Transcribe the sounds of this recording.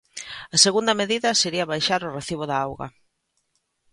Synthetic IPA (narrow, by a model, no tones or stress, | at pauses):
ɐseɣund̪ɐmeðiðɐseɾiɐβajʃaɾʊreθiβ̞oðaawɣɐ̰